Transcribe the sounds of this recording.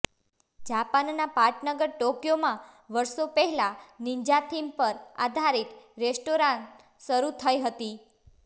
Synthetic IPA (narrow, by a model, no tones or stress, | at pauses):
d͡ʒapannapaɾʈnəɡəɾʈokjomãʋəɾʃopəɦɛlaniɲd͡ʒat̪ʰimpəɾa̰d̪ʱaɾit̪ɾesʈoɾãnt | ʃəɾut̪ʰəjɦət̪i